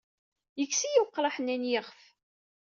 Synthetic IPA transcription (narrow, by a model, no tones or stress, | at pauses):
jəkːsijuqːɾɑħnænjɪʁf